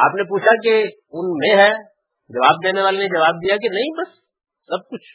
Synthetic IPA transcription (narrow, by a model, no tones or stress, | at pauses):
a̰ːpnepuːt͡ʃʰake | ʊnmẽɦɛ | d͡ʒɐʋaːbd̪eːneʋaːlened͡ʒɐʋaːb̚d̪ijakenɐɦĩbɐsː | ɐb̚kʊt͡ʃʰ